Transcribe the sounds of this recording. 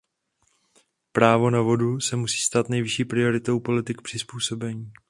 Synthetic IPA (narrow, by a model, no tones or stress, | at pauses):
pɾaːvo̞navo̞dusɛmusi̥ːst̪aːt̪nɛjvɪʃiːpɾɪo̞ɾɪt̪o̞wpo̞lɪt̪ɪkpr̥ɪspuːso̞bɛɲiː